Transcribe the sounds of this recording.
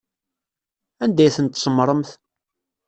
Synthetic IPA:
ænd̪æjθənt̪səmːɾˤəmθ

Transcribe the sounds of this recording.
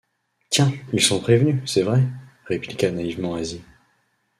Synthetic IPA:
t̪jɛ̃ilsɔ̃pχevnysɛvʁɛʁeplikanaivmɑ̃azi

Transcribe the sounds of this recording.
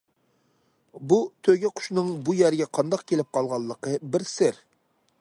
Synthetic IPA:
but̪ʰøɡʲɛqʰʊ̥ʃnɨŋbujæɾɡʲɛqʰɑnd̪ɑq̚kʲʰelɪp̚qʰɑlˠʁɑlˠːəqəbɪɾsɪɾ

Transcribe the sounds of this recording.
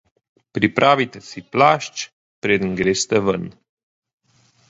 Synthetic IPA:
pɾipɾʔavit̪əsiplaʃt͡ʃ | pɾed̪ŋɡɾest̪əvən

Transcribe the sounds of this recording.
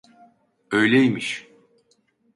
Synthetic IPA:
øjlʲejmiʃ

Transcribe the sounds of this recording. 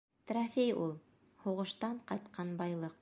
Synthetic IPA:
t̪rafʲejulˠ | huʁɤ̆ʃt̪ɑɴqɑjt̪qʰɑnbɑjlˠɤq

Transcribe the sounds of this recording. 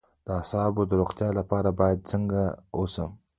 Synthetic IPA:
d̪̥əasɑbod̪əɾoχt̪jɑlapɑɾabɑjad̪̚t͡səŋɡaosəm

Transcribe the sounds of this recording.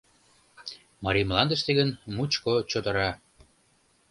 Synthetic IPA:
mɑɾimlɑnd̪əʃt̪eɣənmut͡ɕkot͡ɕod̪ə̆ɾɑ

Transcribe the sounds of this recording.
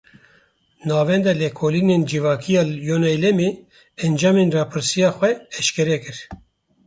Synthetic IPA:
nɑːvɛnd̪ɛlɛkʰoːlineːnd͡ʒivɑːkʰijɑːjonɛjlɛmeː | ɛnd͡ʒɑːmeːnrɑːpʰɨɾsijɑːxʷɛɛʃkɛɾɛkɨɾ

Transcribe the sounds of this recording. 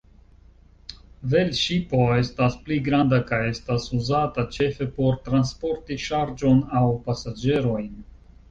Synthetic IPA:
ve̞lʃipo̞e̞staspliɡɾandakaje̞stasuzatat͡ʃe̞fe̞po̞ɾtɾanspo̞ɾtiʃaɾd͡ʒo̞nawpasad͡ʒe̞ɾo̞jn

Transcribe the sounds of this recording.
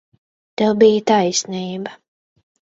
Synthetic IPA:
t̪ewbijət̪ajsniːbɐ

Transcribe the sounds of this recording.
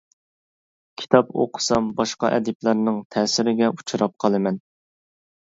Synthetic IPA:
kʲʰi̥t̪ʰɑpo̰qʰʊ̥sɑmbɑʃqɑʔɛ̰d̪ɪplˠæɾnɨŋt̪ʰɛːsɪɾɪɡʲɛu̥t͡ʃʰuɾɑp̚qʰɑlˠɨmɛn

